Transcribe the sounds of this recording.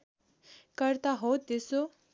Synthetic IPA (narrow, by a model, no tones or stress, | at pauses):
kəɾt̪aɦot̪eso